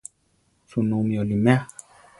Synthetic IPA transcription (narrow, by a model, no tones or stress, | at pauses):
sunumiolimɛχ